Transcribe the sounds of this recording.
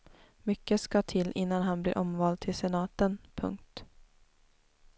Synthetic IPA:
mʏkːəskɑt̪ʰɪlːʔɪ̰nːanɦanblɪɾʔɔmvɑːld̪̚t̪ʰɪlsɛnɑːt̪ənpʰɵ̰ŋk̚t̪

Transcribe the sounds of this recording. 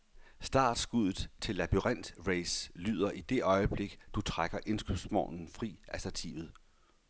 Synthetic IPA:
sd̥ɑ̈ːd̥sɡ̥uð̞ˠð̩ˠt͡sʰe̝lːæb̥iʁan̰d̥ʁeɪsly̰ð̞̰ˠɐʔid̥e̝ʔɒ̽ɪəb̥le̝ɡ̥d̥ut͡sʰʁaɡ̥ɐʔe̝nsɡ̥yb̥smɒ̰ːnn̩fʁḭːʔæsæɐt͡sʰḭːʋð̞̩ˠ

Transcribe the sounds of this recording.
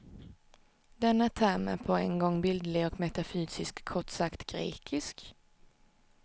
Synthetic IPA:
d̪ɛnːat̪ʰæːmæ̰pʰɔɛ̰nɡɔŋːbɪld̪lɪɡɔkmɛt̪afyːsɪskʰːɔʈsakt̪ɡɾḛːkʰɪsk

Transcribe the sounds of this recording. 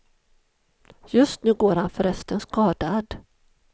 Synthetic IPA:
jɵst̪nʉ̟ːɡoːɾhanfœɾɛst̪ənskɑːɖad̪

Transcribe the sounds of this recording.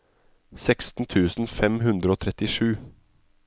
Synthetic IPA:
sɛkst̪n̩t̪ʰʉːsn̩fɛmɦʉnd̪ɾəoːt̪ʰɾɛt̪ɪʂʉː

